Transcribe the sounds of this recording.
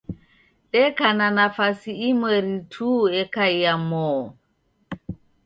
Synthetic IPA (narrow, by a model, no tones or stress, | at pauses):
ɗɛkananafasiːmwɛɾitʰuɛkaijamɔː